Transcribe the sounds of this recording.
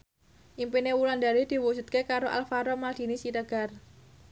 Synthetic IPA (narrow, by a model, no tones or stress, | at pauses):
ʔimpinewuland̪aɾid̪̥i̤wusut̪̚kekaɾoʔa̰lfaɾɔmald̪̥i̤nisiɾəɡ̥ar